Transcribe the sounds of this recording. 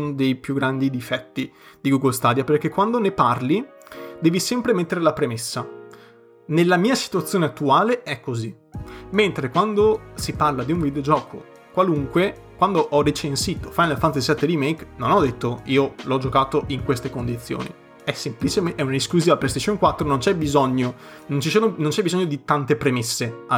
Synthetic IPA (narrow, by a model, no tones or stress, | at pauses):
nod̪ejpjuɡɾand̪id̪ifɛt̪ːi | d̪̥iɡuɡolst̪aːd̪japerkːekːwand̪oneparlid̪ɛːvisɛmpɾemet̪ːeɾelapɾemesːa | nelːamiːasi̥t̪uat̪sːjoːneat̪ːuaːleɛkːozi | ment̪ɾekwand̪osiparlad̪iuɱvid̪eod͡ʒɔːko̰ | kwaluŋkwe | kwand̪oʔɔret͡ʃensiːt̪ofajnelfant̪azisɛt̪ːeɾimejknonɔd̪ːet̪ːoiːolɔd͡ʒokaːt̪oʔiŋkwest̪ekond̪it̪sːjo̰ːnḭ | ɛsːemplit͡ʃeɛunaiskluziːvaplest̪eʃːoŋkwat̪ːɾonont͡ʃɛbizɔɲːo | nont͡ʃisoːnonõnt͡ʃɛbizɔɲːod̪it̪ant̪epɾemesːe